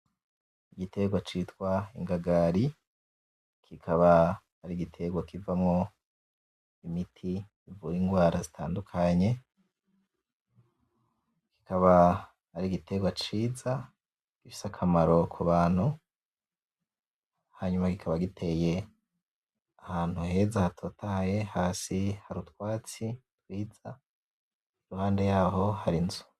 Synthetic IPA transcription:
iɡitʰe̞ɡwat͡ʃitkwaḭŋɡaɡaɾi | kʰikʰaβahaɾiɡitʰe̞ɡwakivamŋo̞ | imitʰiː | vuɾiːŋɡwaːɾazitʰa̰ːndukʰaɲe̞ | ki̥kaβa | haɾiɡite̞ɡwat͡ʃiːza | ɡ̥ifi̥sakʰamaɾo̞kʰuβaːn̥hu | haɲumaɡikʰaβaɡitʰe̞je̞ | ahaːn̥huɦe̞zahatʰotʰaje̞haːsihaɾutwaːt͡sitwiːz̥a | iɾuhaːnde̞jaːɦo̞haɾinzu̥

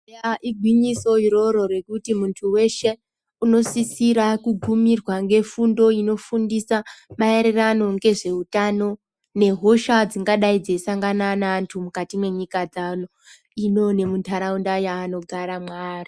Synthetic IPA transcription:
aʔiɡʱwiɲiso̞iɾo̞ɾo̞re̞kutimuntʰuwe̞ʃe̞ | uno̞sisiɾakuɡʱumirwaŋɡe̞fundo̞ino̞fundisamaeɾerano̞ŋɡe̞ʐe̞utano̞ | ne̞ɦoʃad͡ziŋɡaɗaid͡zeisaŋɡananaːntʰumukatimwe̞ɲikad͡zano | ino̞ne̞muntʰaɾaundajaːno̞ɡʱaɾamwaːri

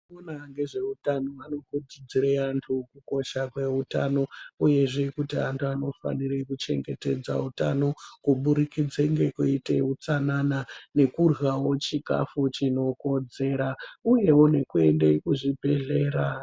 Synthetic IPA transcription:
onaŋɡe̞ʐe̞utanoano̞kud͡zid͡ziɾeantʰukuko̞ʃakwe̞uta̰no̞uje̞ʐekutia̰ntʰuano̞fa̰nirekut͡ʃe̞̰ŋɡete̞̰d͡za̰uta̰no̞kuɓuɾikid͡zeŋɡe̞kuite̞̰ut͡sananane̞kurwawo̞t͡ʃika̰fut͡ʃino̞ko̞d͡ze̞ɾauje̞wone̞kue̞nde̞kuʐibʱe̞ɮe̞ːɾa

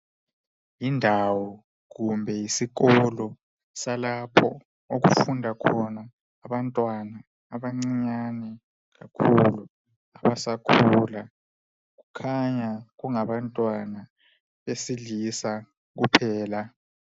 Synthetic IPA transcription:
jindʱawɔ | ɣumbʱɛjisiɣɔlɔ | salapʰɔ̰ | oɣṵfundʱakʰɔnaː | βantʼwanaː | βaŋ͡ǀiɲanɛ | ɣakʰulu | aβasakʰula | ɣukʰaɲaɣuŋaβantʼwana | βesilisa | ɣupʰɛːla

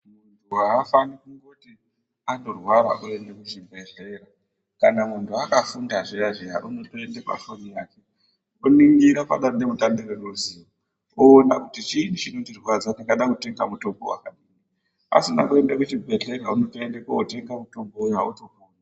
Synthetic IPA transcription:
muntʰuaːfanikuŋɡo̞ti | ando̞rwaɾa̰ʔue̞ndekuʐibʱe̞ɮera | kanamuntʰuakafundaʐijaʐiɦa̰ʔuno̞toendepa̰ʃonijaːke | oniŋɡiɾapa̰ɗanemutandereruzio | oːnakutit͡ʃiːnit͡ʃinotirwad͡zanakaɗakute̞ŋɡamuto̞mbo̞̰wa̰kaɗiːni | a̰sina̰kue̞ndakut͡ʃibʱe̞ɮe̞ɾauno̞toendekoote̞ŋɡamuto̞mboujautokuːnaa

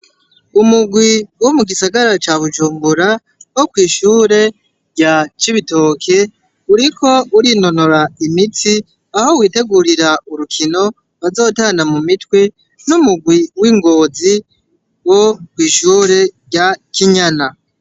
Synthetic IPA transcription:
umuɡwiwo̞muɡisaɡaɾat͡ʃaβuʒuːmbuɾa | wo̞kwiːʃuːɾe̞ | ɾɟat͡ʃiβito̞ːkʰe̞ | uɾikʰo̞uɾino̞no̞ɾaimiti | aho̞wiːte̞ɡuɾiɾauɾukʰino̞ | βazo̞ːtaːnamumitwe̞ | numuɡwiwiːŋɡo̞ːzi | wokwiːʃuːɾe̞ɟakiɲana

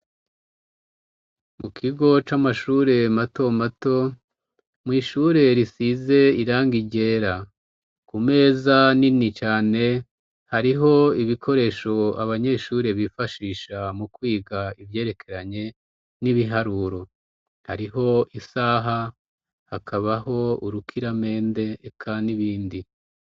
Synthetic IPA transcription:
mukʰiɡo̞t͡ʃamaʃuːɾe̞mato̞mato̞ | mwiːʃuɾe̞ɾisize̞iɾaːŋɡiɟe̞ːɾa | kume̞ːzaninit͡ʃaːne̞ | haɾiɦo̞iβikʰo̞ɾe̞ʃo̞a̰βaɲe̞ːʃuːɾe̞βifaʃiːʃamukwiːɡaivje̞ːɾe̞kʰe̞ɾaɲe̞ | niβiɦaɾuːɾo̞ | ha̰ɾiɦo̞ʔisaɦa | hakʰaβaɦo̞uɾukʰiɾame̞ːnde̞kʰandiβiːndi

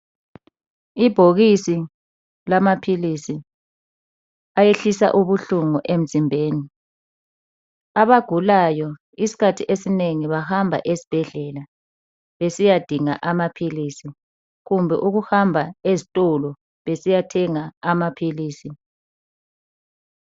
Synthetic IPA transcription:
ib̥ʱoɣisi | lamapʰilisi | ajeɬisa̰ʔuβuɬuŋuʔem̩zimbʱeːni | aβaɡ̥ʱulajɔ | isi̥kʰatʰiʔesineŋiβahambʱa̰ʔesi̥b̥ʱɛɮɛla | βesijad̥ʱiŋa̰ʔamapʰilisi | ɣumbʱɛ̰ʔuɣuhambʱaezitʼɔlɔ | βesijatʰɛŋaamapʰiliːsi

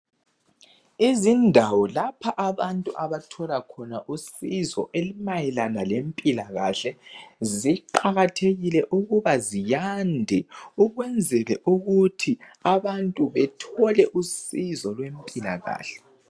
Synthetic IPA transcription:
izindʱawɔlapʰaʔaβantʼuʔaβatʰɔlakʰɔnaʔusizɔ̰ʔelimajɛlanalempʼilaɣaɬɛziǃaɣatʰeɣilɛʔuɣuβazijandʱɛuɣwɛnd͡zʱɛlɛʔuɣutʰi | aβantʼuβɛtʰɔlɛʔusizɔlwempʼila̰ɣa̰ːɬɛ̥

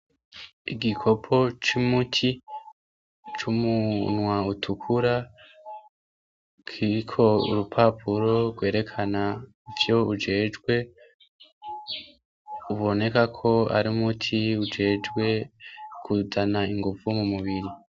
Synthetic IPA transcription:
iɡikʰo̞pʰo̞t͡ʃumutʰi | t͡ʃumunwautʰukʰuɾa | kʰiɾikʰo̞ṵɾupʰapʰuɾo̞ɾɡwe̞ːɾe̞kʰana | ivjo̞ud͡ʒe̞ːd͡ʒɡwe̞ | uβo̞ne̞kakʰo̞a̰ɾimutʰiud͡ʒe̞ːd͡ʒɡwe̞kʰuzanaiŋɡuvumumuβiɾi

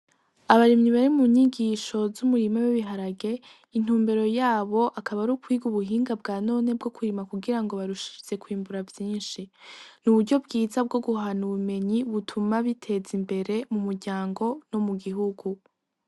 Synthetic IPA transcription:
aβaɾimɲiβaɾimuɲiɡiːʃo̞zumuɾimawiβiɦaɾaɡe̞ | in̥uːmbe̞ɾo̞jaːβo̞ʔakaβaɾukwiːɡuβuɦiːŋɡab̚ɡaːno̞ːne̞b̚ɡo̞kʰuɾimakuɡiɾaŋɡo̞βaɾuʃi̥ze̞kwiːmbuɾavjiːnʃinuβuɾɟo̞bɡiːzab̚ɡo̞ɡuɦanuβume̞ɲiβutʰumaβitʰe̞zimbe̞ɾe̞mumuɾɟaːŋɡo̞no̞muɡiɦuɡu

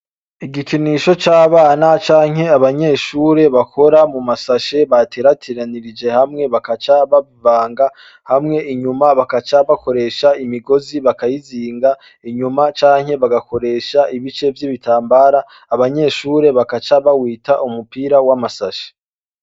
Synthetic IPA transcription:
iɡikʰiniʃo̞t͡ʃaːβaːnat͡ʃaːŋɦhe̞aβaɲe̞ːʃuːɾe̞βakʰo̞ɾamumasaʃe̞βatʰeːɾatʰiɾaniɾid͡ʒe̞hamŋe̞βakat͡ʃaβaβivaːŋɡa | hamŋe̞ʔiɲumaβakat͡ʃaβakʰo̞ɾe̞ːʃaimiɡo̞ziβakajiziːŋɡa | iɲumat͡ʃaːŋ̥he̞βaɡako̞ɾe̞ːʃaʔiβit͡ʃe̞vjiβitʰaːmbaːɾaː | βaɲe̞ːʃuːɾe̞βakat͡ʃaβawiːtaʔumupiːɾawamasaʃe̥

